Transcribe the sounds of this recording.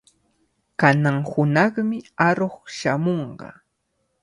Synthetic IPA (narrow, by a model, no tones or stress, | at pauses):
kanaŋhʊnɑχmɪaɾoχʃamoɴɢɑ̰